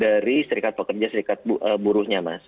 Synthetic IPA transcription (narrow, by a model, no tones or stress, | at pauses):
daɾisəɾikat̪̚pəkərd͡ʒasəɾikat̪̚bʔəbuɾʊhɲamas